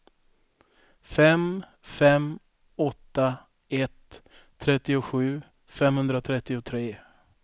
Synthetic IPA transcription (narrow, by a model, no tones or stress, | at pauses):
fɛm | fɛm | ɔt̪ːa | ɛt̪ʰː | ɾɛt̪ːɪʊɧʉ̟ː | fɛmhɵnd̪ɾat̪ʰɾɛt̪ːɪʊt̪ʰɾeː